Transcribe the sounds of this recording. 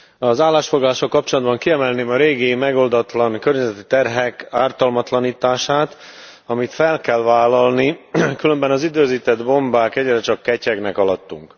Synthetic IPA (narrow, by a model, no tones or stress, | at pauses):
ɒzaːlːaːʃfoɡlɔlaːʃolkɒpt͡ʃolɒd̪bɒŋkiɛmɛlneːmɒɾeːɡimɛɡo̞ld̪ɒt̪lɒŋkø̞rɲɛzɛt̪i̥t̪ɛrɦɛkaːrt̪ɒlmɒt̪lɒniːt̪aːʃaːt̪ | ɒmit̪fɛlkɛlvaːlːɒlnikylømbɛnɒzid̪øːziːt̪ɛd̪bo̞mbaːkɛɟrɛt͡ʃɒkːɛcɛɡnɛkɒlɒt̪ːṵŋk